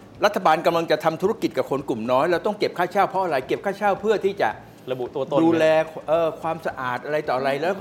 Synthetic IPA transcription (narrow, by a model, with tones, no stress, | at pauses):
ɾa˦˥t̪ʰːa˧baː˧nka˧mla˧ŋt͡ɕa˨˩t̪ʰa˧mt̪ʰu˦˥a˧ki˨˩t̪̚ka˨˩kʰo˧nklu˨˩mnɔː˦˥jlɛː˦˥wt̪ɔ˥˩ŋke˨˩p̚kʰaː˥˩t͡ɕʰaː˥˩wpʰɔ˦˥ʔa˧ɾa˧˩jke˨˩p̚kʰaː˥˩t͡ɕʰaː˥˩wpʰɯ˥˩ət̪ʰiː˥˩t͡ɕa̰˨˩ʔ | ɾa˧bu˨t̪u˧ɐt̪o˧duː˧lɛː˧ʔɤː˧kʰwaː˧msa˧ʔaː˨˩t̪̚ʔa˧ɾa˧jt̪ɔː˨˩ʔa˧ɾa˧jlɛː˦˥w